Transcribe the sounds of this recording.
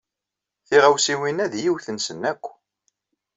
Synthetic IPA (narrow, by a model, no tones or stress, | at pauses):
θiʁæwsiwinæðjiwθənsənːækʷː